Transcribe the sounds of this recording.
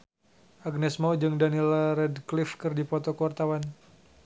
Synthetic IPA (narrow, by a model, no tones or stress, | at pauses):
ʔaɡ̚nɛsmawd͡ʒɨŋdanilrɛdklifkɨrdipɔt̪ɔkəwart̪awan